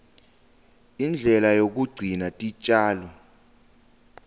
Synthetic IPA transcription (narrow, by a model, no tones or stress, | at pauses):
ind͡ɮʱɛlajok̬uɡ͡ǀʱinatʼit͡ʃʼaːlɔ